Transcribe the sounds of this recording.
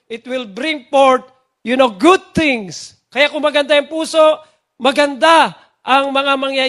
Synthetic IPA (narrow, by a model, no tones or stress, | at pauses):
ʔɪt̪̚wɪlbɾɪ̃ŋpoɹt̪̚ | jʊnoɡʊd̪̚t̪ɪ̃ŋs | kɐjakʊŋmɐɡɐnd̪ajɐŋpuːsoʔ | mɐɡɐnd̪a | ʔɐŋmɐŋamɐŋja